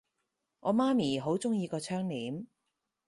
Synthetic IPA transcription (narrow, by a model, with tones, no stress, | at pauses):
ŋʔɔː˨˧maː˥miː˨˩ɦo˨˥wt͡sʊ˥ŋjiː˧kɔː˧t͡ʃʰœː˥ŋliː˨˥m